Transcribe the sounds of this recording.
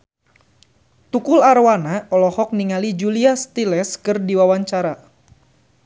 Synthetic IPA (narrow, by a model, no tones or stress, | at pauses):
t̪ukulaɾwanaɔlɔhɔk̚niŋalid͡ʒuliast̪ilɛskɨrdiwawaɲt͡ʃaɾa